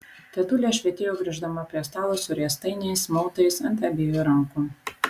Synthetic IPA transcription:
t̪ʲɛt̪ʊlʲeːʃʲʋʲɛt̪ʲɪjoːɡɾʲɪʒd̪ɐmɐpʲɾʲiɛst̪ɑːlˠoːsʊɾʲiɛst̪ɐɪnʲɛɪsmɔʊt̪ɐɪsɐnt̪ʲæbʲijuːɾɐŋkuː

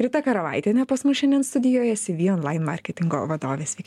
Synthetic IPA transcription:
ɾʲɪt̪ɐkɐɾɐʋɐ̰ɪt̪ʲenʲɛpɐsmʊsʃʲɛnʲd̪ʲɛnst̪ʊd̪ʲɪjoːjɛsʲɪʋʲiːoːnlˠɑɪnmɑ̰ɾʲkʲɛt̪ʲɪŋɡo̰ʋɐd̪oːʋʲeːsʋʲɛɪk

